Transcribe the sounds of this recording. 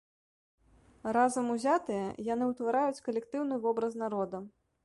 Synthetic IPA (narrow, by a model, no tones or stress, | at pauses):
ɾazɐmuzʲat̪ɨjɐjanɨwt̪vaɾajut͡sʲkɐlʲɛkt̪ɨwn̪ɨvɔbɾɐznaɾɔd̪ɐ